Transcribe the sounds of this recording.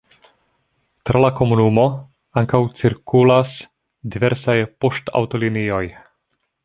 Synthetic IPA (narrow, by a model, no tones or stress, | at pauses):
t̪ɾʔalako̞munumo̞ | aŋkawt͡siɾkulas | diveɾsajpost̪a̰wt̪olinio̞j